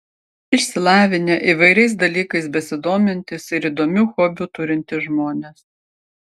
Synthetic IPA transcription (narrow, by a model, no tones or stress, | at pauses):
ɪʃʲsʲɪlˠɑːʋʲɪnʲeʔiˑʋɐɪɾʲɛɪs̬d̪ɐlʲiːkɐɪsbʲɛsʲɪd̪oːmʲɪnʲt̪ʲɪsɪɾid̪oːmʲuːxɔbʲuːt̪ʊɾʲɪnʲt̪ʲɪʒmoːnʲes